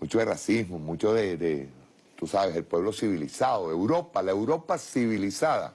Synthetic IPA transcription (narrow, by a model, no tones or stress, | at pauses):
mut͡ʃo̞ðerasismomũt͡ʃo̞ðed̪e | t̪usaβese̞lpwe̞βlo̞siβilisaðoewɾo̞palaewɾo̞pasiβilisaða̰